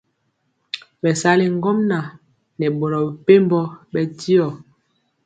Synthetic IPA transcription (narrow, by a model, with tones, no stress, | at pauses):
ɓɛ˨sa˦li˨ŋ˦ɡɔ˦mna˨ | nɛ˨ɓo˨ɾɔ˨pe˦mbɔ˦ɓɛ˦ti˦ɔ˨